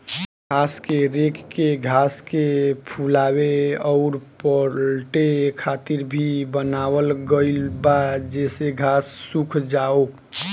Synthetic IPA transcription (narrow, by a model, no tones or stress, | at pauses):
ɡʱaskeɾekkeɡʱaskepʰulaweɔʊɾpəlʈekʰat̪iɾbʱibənawəlɡəɪlbad͡ʒɛseɡʱasːukʰd͡ʒao